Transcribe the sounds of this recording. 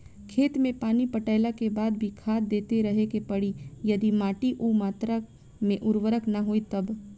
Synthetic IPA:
kʰeːt̪mẽpaːnipəʈəɪlakebaːd̪bʱikʰaːd̪ːeːt̪eɾɐɦekepɐɽijɐd̪imaːʈiʔuːmaːt̪ɾa | mẽʔʊɾwəɾəknɐɦoit̪ɐb

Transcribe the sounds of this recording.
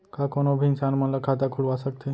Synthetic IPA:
kakoɽ̃obʱinsanməlakʰat̪akʰuɽʋasək̚t̪ʰe

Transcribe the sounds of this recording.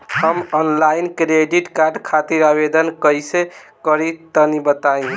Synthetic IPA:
həmɔnlainkɾeɖiʈkaɾɖkʰat̪iɾabed̪ənkəjse | kəɾit̪ənibət̪aĩ

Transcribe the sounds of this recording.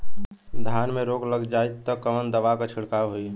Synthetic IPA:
d̪ʱjanmeɾoɡləɡd͡ʒaet̪ːɔkəmənd̪əʋakat͡ʃʰiɽkaɦoi

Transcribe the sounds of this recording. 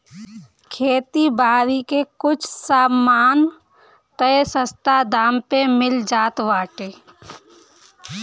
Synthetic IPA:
kʰeːt̪ibaːɾikekʊt͡ʃʰsaːmaːn | t̪əsə̃st̪ʰad̪aːmpemɪld͡ʒaːt̪ʋaːʈeː

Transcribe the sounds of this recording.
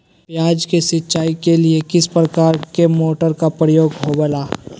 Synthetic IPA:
pjaːd͡ʒkesɪːt͡ʃaːikeliekɪspɾəkaːɾkemoːʈəɾkapɾəjoːɡɦobəlaː

